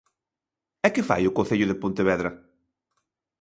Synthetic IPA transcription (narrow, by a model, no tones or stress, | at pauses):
ɛkɪfa̰jʊkõn̟θeʎʊðɪpõnt̪ɪβɛðɾɐ